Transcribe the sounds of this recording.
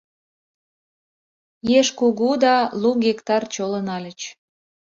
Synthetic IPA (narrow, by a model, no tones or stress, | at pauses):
jeʃkuɣud̪ɑluɣekt̪ɑrt͡ɕolənɑlʲət͡ɕ